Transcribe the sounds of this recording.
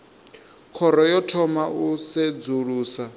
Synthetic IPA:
kʰɔɾɔjɔtʰɔmaʔusɛd͡zuɺuːsa

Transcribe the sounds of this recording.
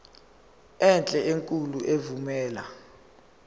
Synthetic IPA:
ɛnt͡ɬʼɛeŋkʼuluʔevumɛːla̰

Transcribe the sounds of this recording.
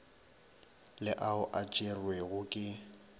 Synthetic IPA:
lɪʔaʊʔat͡ʃʼerwɛɣʊkʼɪ

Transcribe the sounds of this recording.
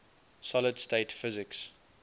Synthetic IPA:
sɔlədstʰeɪtfɪzɪks

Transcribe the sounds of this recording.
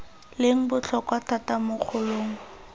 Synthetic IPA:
lɪŋ̩bʊt͡ɬʰɔkwatʰatamʊk͡xʰʊloːŋ̩

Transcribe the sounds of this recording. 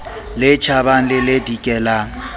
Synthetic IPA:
lɪt͡ʃʰabaŋ̩lɪlɪdikʼɛlaːŋ̩

